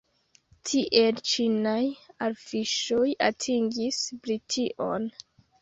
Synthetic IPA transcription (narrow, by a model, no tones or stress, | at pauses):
tʰiʔe̞lt͡ʃinajaɾfiʃoja̰tʰiŋɡisbɾitʰiʔo̰n